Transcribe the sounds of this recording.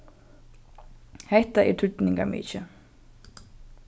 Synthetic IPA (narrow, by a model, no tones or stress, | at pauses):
hɛht̪aʔɛ̰ɾt̪ʰʏt̪niŋkamḭːt͡ʃɪ